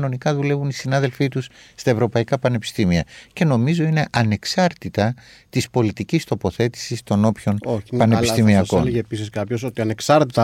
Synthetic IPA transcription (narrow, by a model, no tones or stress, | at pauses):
no̞nikɐðule̞vunisinɐðe̞lfit̪usːt̪ɐe̞vɾo̞pɐikɐpɐne̞pi̥st̪imiɐ̰ce̞no̞mizo̞ine̞ʔɐne̞ksɐɾt̪it̪ɐ | t̪ispo̞lit̪icist̪o̞po̞θe̞t̪i̥sist̪o̞no̞pço̞nopɐneisst̪imiɐko̰nlepisiskɐpços̬ot̪iɐneksɐɾt̪it̪ɐ